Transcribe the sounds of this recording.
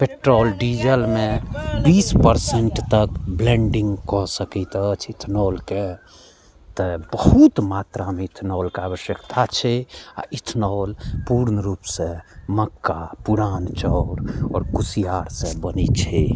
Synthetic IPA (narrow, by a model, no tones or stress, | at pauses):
peʈɾoːlɖid͡ʒəlmẽbiːspəɾseɳʈt̪əkblẽɳɖiŋɡkɔɦsəkit̪ət͡ʃʰit̪ʰnɔːlke | t̪əbəɦut̪mat̪ɾameit̪ʰnɔːlkaːʋəʃjəkt̪ʰat͡ʃʰɛa̰it̪ʰnɔːlpuɾnəɾuːpsẽməkːapuɾaːnt͡ʃɔɾɔːɾkusijaɾsẽbənit͡ʃʰɛ